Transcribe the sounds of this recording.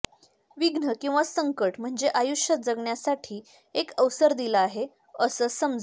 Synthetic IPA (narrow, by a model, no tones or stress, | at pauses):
ʋiɡnəkĩw̃ʋasəŋkəʈm̤əɳd͡zeʔajuʂjət̪̚d͡zəɡɳjasaʈʰiː | ekəʋsəɾd̪iləaɦe | əsəsəmd͡z